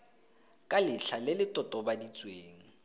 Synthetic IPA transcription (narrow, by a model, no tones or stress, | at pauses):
kʼalɪɬʰalɪlɪtʼɔtʼɔbadit͡sʼweːŋ̩